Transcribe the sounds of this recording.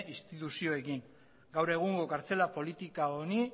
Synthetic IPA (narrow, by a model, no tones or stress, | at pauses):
ist̪it̪usio̞e̞kiŋ | ɡawɾe̞ɣ̞uŋɡo̞kaɾt͡se̞lapo̞lit̪ikaoni